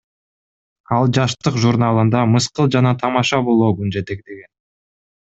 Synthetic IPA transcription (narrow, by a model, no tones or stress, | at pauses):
ɑlˠd͡ʒɑʃt̪ɯqʒuɾnɑlˠɯnd̪ɑmɯsqɯlˠd͡ʒɑnɑt̪ʰɑmɑʃɑbo̞lˠoːɡynd͡ʒe̞t̪ekd̪eɡen